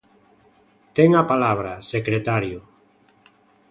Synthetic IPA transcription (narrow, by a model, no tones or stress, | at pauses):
t̪eŋapalaβ̞ɾasekɾet̪aɾjʊ